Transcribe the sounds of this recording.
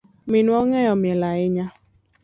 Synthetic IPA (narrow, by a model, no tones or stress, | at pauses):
mɪnuɔŋɛjɔmjɛlaɪɲa